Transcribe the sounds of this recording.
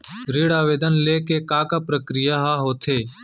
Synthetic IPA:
ɾɪːɽaːʋeːd̪ənleːkeːkaːkaːpɾəkɾɪjaɦaːɦoːt̪ʰeː

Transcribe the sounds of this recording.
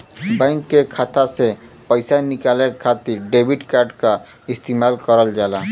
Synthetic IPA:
bɛ̃ŋkːekʰat̪ase | pəɪsanɪkaːlekʰat̪iɾɖebʱiʈkaːɾɖka | ɪst̪imaːlkəɾəld͡ʒaːla

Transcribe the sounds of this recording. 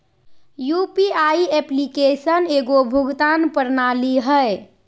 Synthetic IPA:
jupiaiɛplikesəneɡobʱuɡt̪anpəɾnaliɦəe

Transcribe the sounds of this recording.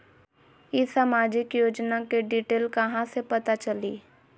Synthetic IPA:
isaːmaːd͡ʒɪkjoːd͡ʒnakeɖiːʈeːlkɐɦãsepɐt̪at͡ʃɐlḭː

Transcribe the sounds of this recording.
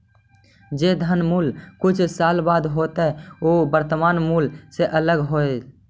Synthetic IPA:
d͡ʒed̪ʱənmuːlkʊt͡ʃʰsaːlbaːd̪ɦot̪ɛobəɾt̪əmaːnmuːlseʔələɡɦoe

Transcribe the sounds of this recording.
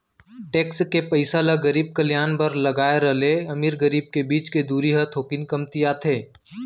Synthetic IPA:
ʈeːkskepɐɪsalaɡɐɾiːb̚kɐljaːnpɐɾlɐɡaːeɾɐleɐmiːɾɡəɾiːb̚kebiːt͡ʃked̪uːɾiɦɐt̪ʰoːkɪnkɐmt̪ijaːt̪ʰeː

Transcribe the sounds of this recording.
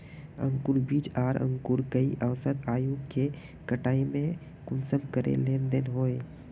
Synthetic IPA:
ə̰̃ŋkʊɾbiːt͡ʃaːɾə̰̃ŋkʊɾkəiʔəʋsət̪aːjũke | kɐʈaːimẽ | kʊnsəbkəɾḛleːnd̪enɦoːe

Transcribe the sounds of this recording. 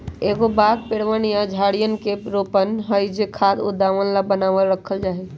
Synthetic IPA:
eɡobad̪̚peɽʋənjad͡ʒʱaɽijənkeɾopənɦəjd͡ʒekʰad̪ṵd̪aʋənlabənaʋəlɾəkʰəld͡ʒaɦɛ

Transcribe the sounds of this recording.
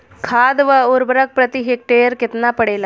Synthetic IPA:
kʰaːd̪ʋəuɾbɾək̚pɾət̪iɦek̚ʈeəɾkɪt̪napəɽeːla

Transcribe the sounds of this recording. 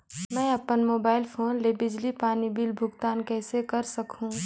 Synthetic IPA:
mɛ̃ːɐpːənmoːbaːɪlpʰoːnlebɪd͡ʒlipaːnibiːlbʱʊɡt̪aːnkɛːsekɐɾsɐkʰũ

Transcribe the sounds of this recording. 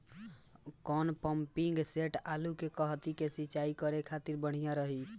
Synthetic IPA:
kɔnpəmpiŋɡseʈalukekəɦt̪ikesiːt͡ʃaikəɾekʰat̪iɾbəɽ̤ijãɾəɦi

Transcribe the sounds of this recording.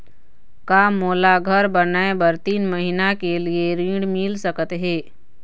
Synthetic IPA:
kamoːlaɡʱəɾbənaebəɾt̪iːnməɦinakelieɾĩːɽmɪlsəkət̪ɦeː

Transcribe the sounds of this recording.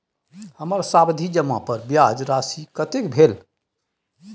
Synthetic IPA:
həməɾsabd̪ʱid͡ʒəmːa̰pəɾbjad͡ʒɾasikət̪ekbʱel

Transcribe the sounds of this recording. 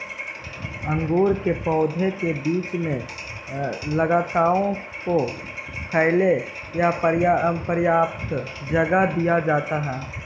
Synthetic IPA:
ə̃ŋɡuːɾkepɔːd̪ʱekebiːt͡ʃmẽ | lɐɡaːt̪aːɾõ | ko | pʰɛɪle | japəɾjapəɾjaːpt̪ | d͡ʒɐɡad̪ijad͡ʒaːt̪aɦɛ̃ː

